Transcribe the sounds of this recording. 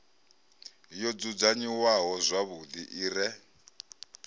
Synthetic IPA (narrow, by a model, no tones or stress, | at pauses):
jɔd͡zud͡zaɲiwaɦɔzʷaβudiʔiːrɛ